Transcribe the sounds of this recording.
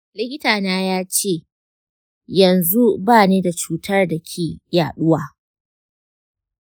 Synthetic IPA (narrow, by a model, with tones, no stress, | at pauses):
lɪ˦kʲɪ˦taː˨naː˦jaː˦t͡ʃeː˦˨ | jɐ˨nzu˦baː˦˨neː˦da˨t͡ʃuː˦tɐ˦rda˨kʲʰeː˨jaː˨ɗʊ˦waː˨